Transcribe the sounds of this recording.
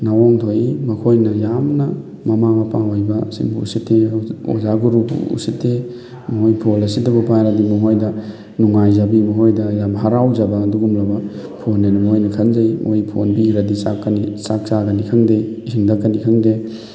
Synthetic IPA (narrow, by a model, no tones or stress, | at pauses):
nawoŋtʰoimɐkʰojnɐjamnɐ | mɐmamɐpaɦojbɐsḭŋbuṵsitːeo̰zaɡuɾubṵṵsitːe | mɐhojpʰolɐsidɐbupajɾadimɐɦojdɐ | nuŋajzabimɐɦojdɐjamɦɐɾawd͡ʒabɐːduɡumlɐbɐ | pʰonːenumojnɐkʰɐnzɐjmojpʰo̰nbiɾɐdisakːɐnisak̚t͡ʃaɡɐnikʰɐŋdejisiŋdɐkːɐnikʰɐŋde